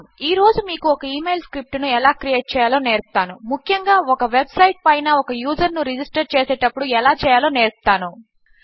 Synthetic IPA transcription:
iːɾo̞ːd͡ʒumiːkuɔkɐiːme̞jlskɾip̚ʈunuɛlaːkɾijeːʈ̚t͡ʃɛːjaːlo̞ːneːɾku̥t̪aːnumukʰjɐŋɡaːɔkɐʋebsɐjʈ̚pɐjnɐɔkɐjuːd͡ʒɐɾnuɾid͡ʒisʈɐɾt͡ʃeːseːʈɐpːuɽuɛlaːt͡ʃɛːjaːlo̞ːne̞ːɾku̥t̪aːnu

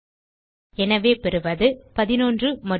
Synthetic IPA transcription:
ɛnɐʋeːpɛɾɯʋɐðɯpɐðɪnoːndrɯmɐ

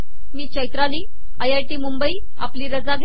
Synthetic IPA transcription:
miːt͡ɕəjt̪ɾaliː | ajajʈiːmumbəiː | a̰pliːɾəd͡zaɡʱ

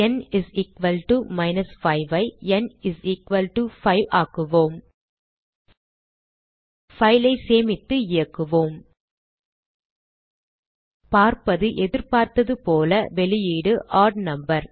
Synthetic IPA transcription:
ɛnɪziːkʋɐlʈumɐɪnɐsfɐɪʋɐɪɛnɪziːkʋɐlʈufɐɪʋaːkɯʋoːm | fɐɪlɐɪseːmɪt̪ːɯɪjɐkːɯʋoːm | paːɾpɐðɯʔɛðɪɾpaːɾt̪ɐðɯpoːlɐʋɛɭɪjiːɽɯʔaːɾɖnɐmbɐɾ

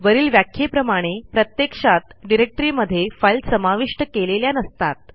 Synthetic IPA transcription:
ʋəɾiːlʋjakʰjepɾəmaɽ̃epɾət̪jekʂat̪ɖiɾek̚ʈɾiməd̪ʱːjefəlsəmaʋiʂʈəkeleljanəst̪at̪̚

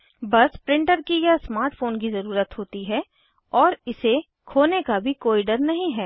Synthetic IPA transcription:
bɐspɾɪ̃ɳʈəɾkijasmaːɾʈfoːnkizɐɾuːɾət̪ɦoːt̪iɦɛː | ɔːɾɪse | kʰoːnekabʱikoːiɖɐɾnɐɦĩɦɛː

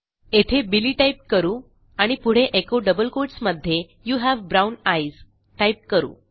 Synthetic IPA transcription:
et̪ʰebiliːʈajp̚kəɾuː | aɽ̃ipuɽ̤eʔekoɖəbəlkoʈsməd̪ʱːje | juːɦæʋbɾawnajz | ʈajp̚kəɾṵː

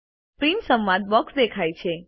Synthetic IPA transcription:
pɾinsə̃mʋad̪̚bɔksd̪ekʰajt͡ʃʰe

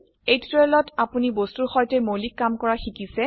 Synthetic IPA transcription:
ejtɹelɔtapunibostuɹxɔjtɛmolikːamkɔɹaxikisɛ

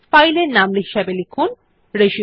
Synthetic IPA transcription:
fajleɾnamliɦiʃɛbelikʰun | ɾeʃi

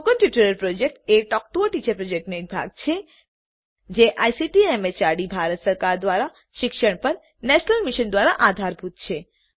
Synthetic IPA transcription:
kənʈjuʈəɾəlpɾod͡ʒek̚ʈeʈɔk̚ʈuoʈit͡ʃepɾod͡ʒek̚ʈnoek̚bʱa̰ɡ̚t͡ʃʰe | d͡ʒeʔajsiʈiemet͡ʃaɽibʱaɾət̪səɾkaɾd̪ʋaɾa | ʃɪkʃəɳpəɾ | nɛʃənəlmiʃənd̪ʋaɾaʔad̪ʱaɾbʱut̪̚t͡ʃʰe

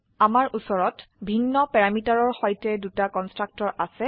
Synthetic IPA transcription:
amaɹʔusɔɹɔtbʱinːɔpɛɹamitaɹɔɹxɔjtɛdutakɔnstɹak̚tɔɹʔasɛ

